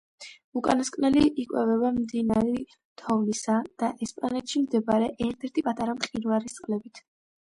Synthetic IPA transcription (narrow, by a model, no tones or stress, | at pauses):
ukʼanɔskʼnɛliikʼwɛvɛbamd̪inaɾi | t̪ʰɔvnisad̪̥aʔɛspʼanɛt̪ʃimd̪ɛbaɾɛʔɛɾt̪ʰɛɾt̪ʰipʼat̪ʼaɾamχinvaɾist̪sʼqʼlɛbit̪ʰ